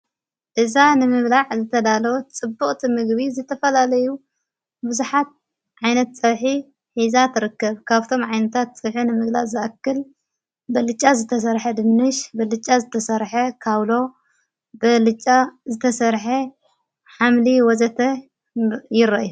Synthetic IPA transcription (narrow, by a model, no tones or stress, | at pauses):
ʔɨzanɨmɨβlaʕzɨt̪ʰɐd̪alot͡sʼɨbːuχʼt̪ʰimɨɡβizɨt̪ʰɐfɐlalɐju | bɨzuħat̪̚ | ʕajnɐt̪̚t͡sʼɐβħi | ħizat̪ʰɨɾɨkːɐβkʰaβt̪ʰo̞mʕajnɐt̪ʰat̪̚t͡sʼɐβħinɨmɨɡlazɨʔɐkːɨl | bɐlɨt͡ʃʼːazɨt̪ʰɐs̬ɐɾħɐd̪ɨmnɨʃbɐlɨt͡ʃʼːazɨt̪ʰɐsɐɾħɐkʰaβlo̞ | bɨlɨt͡ʃʼːazɨt̪ʰɐsɐɾħe | ħamliwɔzɐt̪ʰɐ | jɪɾɐʔju